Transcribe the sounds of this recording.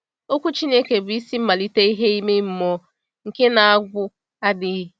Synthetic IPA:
o˦kʷu˦t͡ʃi˦ne˦ke˨bʊ˨i˦si˦m̩˦ma˨li˦te˦i˦ɦe˦i˦me˦m̩˦mɔ˦ | ŋ̩˨ke˦na˨a˦ɡʷʊ˦ | a˦dɪ˦

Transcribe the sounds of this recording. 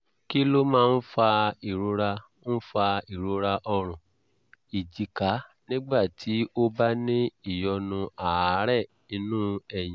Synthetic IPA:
ki˦lo˦mãː˦˧n̩˦fa˧i˨ɾu˧˦ɾa˧ | n̩˦fa˧i˨ɾo˨˧˦ɾa˧ʔɔ˧ɾ̃ũ˨ | i˨d͡ʒi˨ka˨˦nĩ˦ɡ͡ba˦˨tʰi˨˦o˦ba˦nĩ˦i˦˨jɔ˧nũ˧a˨˦ɾɛ˦˨ | i˧˦nũ˦ɛ˦˨j̃ĩ˨

